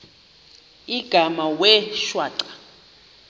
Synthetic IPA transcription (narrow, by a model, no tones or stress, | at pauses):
iɡ̥ʱamawɛʃwaːǀḁ